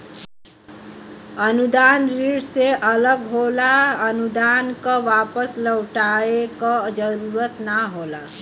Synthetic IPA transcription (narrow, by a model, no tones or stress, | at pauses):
ənud̪anɾiɽseʔələɡɦolaənud̪ankʌʋapəsləwʈaekʌd͡ʒəɾuɾət̪naɦola